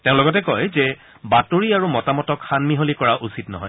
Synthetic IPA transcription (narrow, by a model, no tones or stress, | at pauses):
teʊ̃lɔɡɔtɛkɔjzɛ | batoɹiaɹumɔtamɔtɔkxanmiɦolikɔɹaʔusitnɔ̰ɦɔj